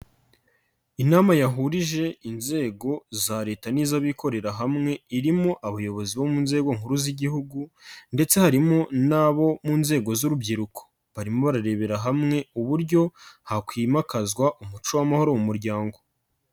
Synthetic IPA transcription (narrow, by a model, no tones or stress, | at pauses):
inaːmajaɦuɾiʒe̞inze̞ːɡo̞zaɾe̞ːtaniːzaβikʰo̞ɾe̞ɾaɦamŋe̞iɾimoʔaβajo̞βo̞ziβo̞munze̞ːɡo̞ŋ̥uɾuziɟihuɡunde̞t͡se̞haɾimonaβo̞munze̞ːɡo̞zuɾubɟiɾukʰo̥ | βaɾimo̞βaɾaɾe̞βe̞ɾaɦamŋe̞uβuɾɟo̞hakwiːmakazɡwaʔumut͡ʃuwamaho̞ɾomumuɾɟaːŋɡo̞